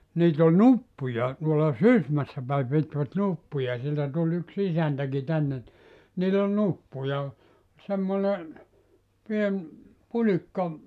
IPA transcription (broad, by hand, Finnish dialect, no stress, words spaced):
niːt ol nupːujɑ tuolɑ sysmæsːæ pæi pitʋæt nupːujɑ sieltæ tulʲ yks isæntæki tænːe ni niːl ol nupːujɑ semːone pien pulikːɑ